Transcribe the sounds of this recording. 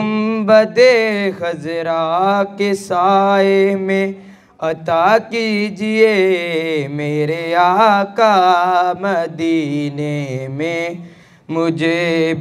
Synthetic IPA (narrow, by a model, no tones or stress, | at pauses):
mbəd̪exɐzɾakesaːemẽ | ɐt̪aːkid͡ʒie | meːɾeaːkamɐd̪iːnemẽ | mʊd͡ʒʱe